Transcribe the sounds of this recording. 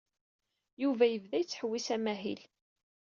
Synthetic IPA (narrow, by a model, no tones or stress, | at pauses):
juvæjəvðæjət͡sːħəwːisæmæɦḭl